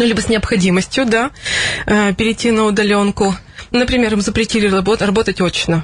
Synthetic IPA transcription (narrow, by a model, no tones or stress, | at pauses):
nulʲibəsʲnʲɪɐpxɐdʲiməsʲtʲjʊd̪a | əpʲɪɾʲɪtʲːinəʊd̪ɐlʲo̞nkʊ | nəpɾʲɪmʲe̞ɾɨmzəpɾʲɪtʲilʲɪɐbot̪rɐbot̪ətʲot͡ɕnə